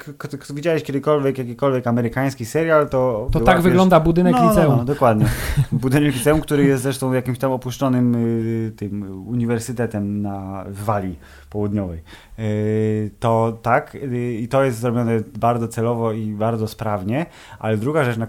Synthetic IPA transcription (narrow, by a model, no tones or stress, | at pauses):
kkt̪kt̪ɔvʲid͡ʑawɛɕkʲɛd̪ɘkɔlvʲjɛkjakʲikɔlvʲjɛkamɛɾɘkaj̃skʲisɛɾjalt̪ɔvt̪ɔwt̪aɡvɘɡlɔnd̪abud̪ɘnɛklinɔuɔmd̪ɔkwad̪ɲɛbud̪ɘnɛklʲit̪sɛumk̚t̪uɾɘjɛst̪zɾɛʂt̪ɔ̃w̃jakʲimɕt̪amɔpuʂt͡ʂɔnɘmt̪ɘmuɲivɛɾsɘt̪ɛt̪ɛmnavːalʲi | pɔwud̪ɲɔvɛj | t̪ɔt̪akit̪ɔjɛst̪zɾɔbʲjɔnɛbaɾd̪zɔt̪sɛlɔvɔibaɾd̪zɔspɾavɲɛ | ʔa̰lɛd̪ɾuɡaʐɛt͡ʂna